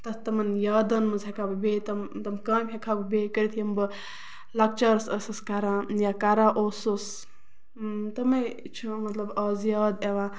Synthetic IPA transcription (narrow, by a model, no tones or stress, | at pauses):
t̪ɐst̪ɐmɐnjaːd̪ɐnmɐzɦekʰabɨbeːt̪ɐmt̪ɐmkaːmʲɦekʰabɨbekəɾit̪ʰijɐmbɨ | lɐk̚t͡ʃɐɾsɐsɐskaɾãjakaɾaʔoːsus | t̪ɐmɐ | t͡ʃʰumɐt̪lɐbɐːzjaːd̪eʋa